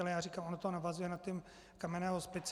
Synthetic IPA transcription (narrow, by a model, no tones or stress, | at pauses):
ɛlɛjaːrikaːmʔonot̪oɦonavazujɛnat̪ːɛm | kamɛnɛːɦospɪt͡s